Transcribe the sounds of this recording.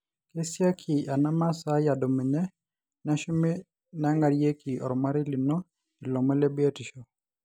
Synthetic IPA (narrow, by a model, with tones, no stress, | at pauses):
ke˦sja˦kʰi˨a˨na˦ma˦sa˦ja˨do˨mi˨ɲɛ˦ | na˦ʃu˦mi˦ | na˦ŋɡa˨ɾje˦ki˨ʔɔ̰˨ɾɔ˨ma˦ɾɪ˦li˨nɔ˦ | i˨lɔ˨mɔ˦lɛ˦bi˦a˦ti˨ʃɔ˨